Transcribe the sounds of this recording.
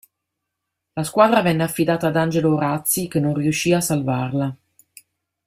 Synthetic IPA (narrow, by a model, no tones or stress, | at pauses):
laskwaːd̪ɾavɛnːeafːid̪aːt̪aːd̪and͡ʒeloːɾat̪sːikenːonriuʃːiːaːsːalvarla